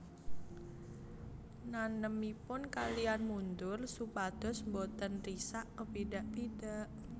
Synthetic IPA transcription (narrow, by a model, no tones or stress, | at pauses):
nanəmipʊnkalijanmund̪ʊrsupad̪̥ɔ̤smbot̪ənrisaʔkəpidaʔpid̥aʔ